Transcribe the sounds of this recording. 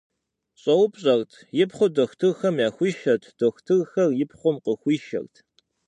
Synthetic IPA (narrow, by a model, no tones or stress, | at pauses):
ɕʼɐwʊpʼɕʼɐrtʰjɪpχʷʊdoxʷtʰɨrxɐmjaːxʷiːʃɐtʰd̥oxʷtʰɨrxɐrjɪpχʷʊmqəxʷiːʃɐ̰rtʰ